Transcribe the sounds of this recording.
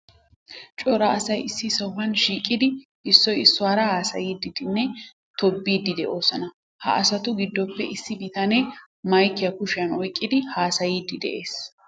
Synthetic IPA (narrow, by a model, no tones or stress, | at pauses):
t͡ʃʼɔɾɐɐsɐjɪsːɪsɐwhɐnʃiːkʼːɪd̪ɪ | ʔɪsːɔjɪsːʊwaːɾɐhaːsɐ̰jiːd̪ɪd̪ɪnːɛ | t̪ɔbːiːd̪ːɪd̪ɛʔo̞ːsɐnɐ | hɐ̰ʔɐsɐt̪ʊɡɪd̪ːɔpːɛ̰ʔɪsːɪbɪt̪ɐne | mɐjkːɪjɐkʊʃɪjɐnɔjkʼːɪd̪ɪhaːsɐjiːd̪ɪd̪ɛ̰ʔe̞ːs